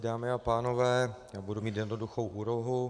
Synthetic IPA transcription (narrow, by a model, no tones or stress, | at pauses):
daːmɪapaːno̞vɛːjaːbudumiːt̪jɛdnoduxo̞wʔuːloɦu